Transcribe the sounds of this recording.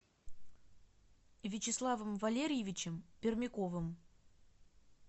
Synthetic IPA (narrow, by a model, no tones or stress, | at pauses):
vʲɪt͡ɕɪslˠavəmvɐlʲeɾʲɪjɪvʲɪt͡ɕɪmpʲɪrmʲɪko̞vɨm